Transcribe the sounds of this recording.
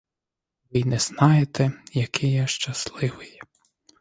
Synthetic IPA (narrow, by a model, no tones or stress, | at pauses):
ʋɪnɛz̥nɑjet̪ɛjɐkʰɪjɛʃt͡ʃɐslˠɪʋɪjɛ